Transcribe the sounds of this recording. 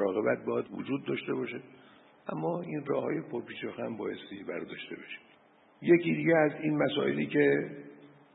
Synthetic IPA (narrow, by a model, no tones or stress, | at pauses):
ɾɒːɣe̞bæt̪̚bɒːjæd̪vo̰d͡ʒuːd̪ːɒʃt̪eβɒːʃe | ʔæmːɒːinrɒːhɒ̰ːje̞pʰoɾpiːt͡ʃɒxæmbɒːjest̪ibæɾd̪ɒːʃt̪e̞̰beʃe̥ | je̞cid̪iːɟeæzinmæsɒ̰ːʔe̞̰liːce